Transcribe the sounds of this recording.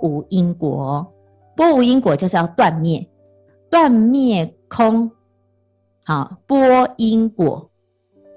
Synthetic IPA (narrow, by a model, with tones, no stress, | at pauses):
u˨˦i˦ŋkwɔ˨˦ | pwɔ˦u˨˦i˦ŋkwɔ˨˩t͡ɕo˥˧ʂɻ̩˥˧˩ja˥˧ʊt̪wa˥˨nmjɛ˥˩ | t̪wa˥˨nmjɛ˥˩kʰo˦ŋ | hɔ˨pwɔ˦˥i˦ŋkwɔ̰˨˩˦